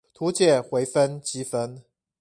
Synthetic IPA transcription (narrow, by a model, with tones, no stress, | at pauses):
t̪ʰu˨˥t͡ɕjɛ˥˩˨xwe˧˥ɪfə˦˥nt͡ɕi˦fə˦n